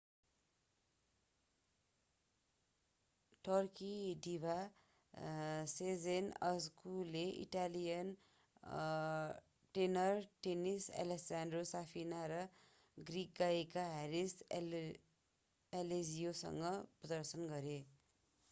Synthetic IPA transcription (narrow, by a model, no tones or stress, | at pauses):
ʈʌrkiɖibʱa | sed͡zenʌ̰skuleʔḭʈalijʌn | ʈenʌrʈenisa̰lesandrosapʰinaɾʌ | ɡrik̚ɡaikaɦeɾis | elezijosʌ̰ŋɡʌprʌd̪ʌrsʌnɡʌɾe